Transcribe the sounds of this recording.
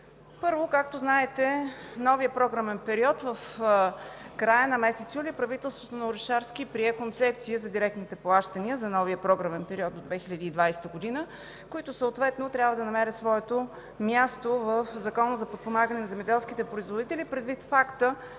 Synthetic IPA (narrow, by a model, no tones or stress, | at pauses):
pɤɾvokak̚t̪oznaɛt̪ɛnɔvijəpɾɔɡɾəmɛnpɛɾiɔt̪vəf | kɾajənɐmɛsɛt̪sjulipɾɐvit̪ɛlˠst̪vot̪onɐʊɾɛʃaɾskipɾiɛkont̪sɛp̚t̪siəzɐd̪iɾɛk̚t̪nit̪ɛplˠaʃt̪əniəzɐnɔviəpɾɔɡɾəmɛnpɛɾiɔd̪d̪od̪vɛxilʲɐd̪iːd̪vajsɛ̥t̪əɡod̪inə | koit̪ʊsəot̪vɛt̪not̪ɾʲabvəd̪ɐnɐmɛɾət̪svɔɛt̪o | mjast̪ovəfzɐkɔnəzɐpot̪̚pomaɡənɛnɐzɛmɛd̪ɛlˠskit̪ɛpɾoizvod̪it̪ɛlʲipɾɛd̪vit̪fakt̪ə